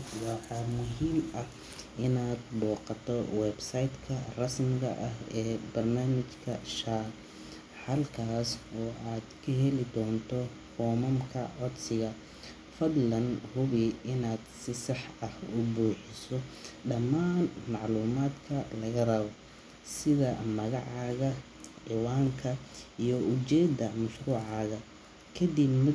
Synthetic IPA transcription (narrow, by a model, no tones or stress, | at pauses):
wɑħɑːmʊɦiːmɐh | ɪnaːd̪bɔːqɑt̪ʰɔwɛbsɐjd̪kʰɐrɐsmɪɣɐʔɐɦɛːbɐrnaːmɪt͡ʃkʰɐʃaː | ħɐlkʰaːsɔːʔaːd̪kʰɐɦɛlɪd̪ɔːnt̪ʰɔ | fɔːmɐmkʰɐʕɔd̪sɪɣɐ | fɐd̪lɐnhʊβɪɪnaːd̪sɪsɑħɐhʊbuːħɪsɔɖɐmːaːnmɑʕluːmaːd̪kʰɐlɐɣɐrɐβɔ | sɪðɐmɐɣɑʕɑːɣɐ | ħɪwaːŋkʰɐijɔʔʊt͡ʃɛːd̪ɐmɐʃruːʕɑːɣɐ | kʰɐd̪ɪbmɐ